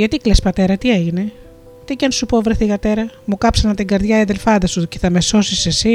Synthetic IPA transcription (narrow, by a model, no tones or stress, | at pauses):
ʝɐt̪iklespɐt̪e̞ɾɐt̪ieʝine̞ | t̪icɐnsupo̞vɾeθiɣɐt̪e̞ɾɐmukɐpsɐnɐt̪iŋɡɐɾðʝɐeðelfɐnd̪ɐsuceθɐmeso̞sisesi